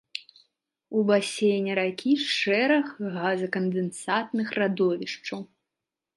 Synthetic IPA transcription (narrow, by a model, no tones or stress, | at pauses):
ubasʲejnʲɛɾakʲʰiʂɛɾɐɣɣazɐkɐnd̪ɛnsat̪nɨxrad̪ɔvʲiʂt͡ʂɐw